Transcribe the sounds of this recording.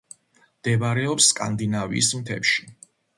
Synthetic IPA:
md̪̥ɛbaɾɛɔpskʼa̰nd̪inavḭːsmt̪ʰɛ̰pʃi̥

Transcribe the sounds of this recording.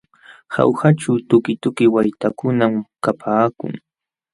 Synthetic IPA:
ha̰whaʈ͡ʂawt̪ʊkɪt̪ʊkɪwajt̪akʊnamkapʰaːkʊ̰ŋ

